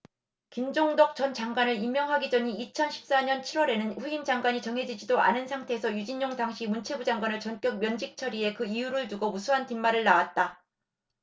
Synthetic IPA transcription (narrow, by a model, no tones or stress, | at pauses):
kind͡ʑoŋdʌk̚t͡ɕ͈ʌnt͡ɕaŋɡwanɯɾimːjʌŋɦaɡid͡ʑʌɲiːt͡ɕʰʌnɕʰi̥p̚s͈aɲʌnt͡ɕʰiɾwʌɾe̞nɯnɸuind͡ʑaŋɡwaɲit͡ɕʌŋɦe̞d͡ʑid͡ʑidoa̰nɯnsʰaŋtʰe̞ːsʰʌjud͡ʑiɲjoŋdaŋɕʰimunt͡ɕʰe̞bud͡ʑaŋɡwanɯɭt͡ɕʌnk͈jʌk̚mjʌnd͡ʑik̚t͡ɕʰʌɾie̞kɯijuɾɯɭtuɡomusʰuɦantimːaɾɯɭnawat̚t͈a